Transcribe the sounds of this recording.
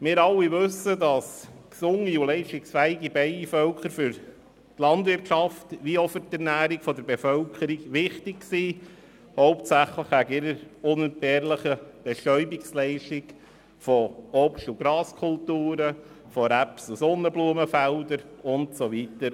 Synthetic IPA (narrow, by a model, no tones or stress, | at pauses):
mɪːɾɑlːiʋɵsədɑsksʊŋːiulɛɪʃtɪksfæɪɡibɛɪifœlkχəɾfʏɾ | tlɑndʋɪɾrtʃɑftʋiɔfəɾtɛɾnæːɾikfɔdəɾbefœlkχəɾiɡʋɪχtɪkksiː | hɔʊp̚tsæχləχæɡɪɾəɾʊnɛnt̚b̥ɛːɾləχəb̥ɛʃtœʏbikslɛɪʃtik | fɔɔpʃtuɡɾɑːskʰʊltuːɾə | fɔɾæpsusɔnːəbluəməfældəɾʊntsoʋitəɾ